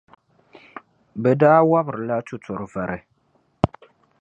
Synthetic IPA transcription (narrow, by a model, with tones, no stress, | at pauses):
bɛ˨daː˦wa˦bɾla˦t͡ʃu˨t͡sɔ˨ɾva˨ɾɛ˨